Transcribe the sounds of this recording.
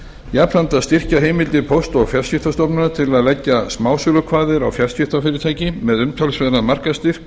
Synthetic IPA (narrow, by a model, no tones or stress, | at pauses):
japʰɾant̪aðst̪ɪr̥caɦeːjmɪlt̪ɪpʰowst̪ɔɣfjar̥scɪft̪ast̪ɔpnʏat̪ʰɪlaðlɛcːasmaːwsʏlʏkʰvaːðɪɾawfjar̥scɪft̪afɪːɾɪt̪ʰaːjcɪmɛðʏmt̪ʰœlsvɛðnamar̥kast̪ɪɾ̥k